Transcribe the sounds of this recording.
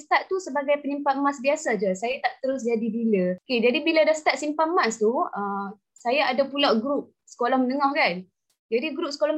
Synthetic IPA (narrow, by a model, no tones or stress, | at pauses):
st̪aʔt̪usəbaɡajpəɲimpat̪̚masbiasad͡ʒəsajat̪aʔt̪əɾʊs̬d͡ʒadibilaoked͡ʒadibiladast̪at̪̚simpamast̪uə | sajaadapulawɡɾup̚sə̥kolɔhmənəŋɔhkan | d͡ʒadiɡɾup̚səkolɔhm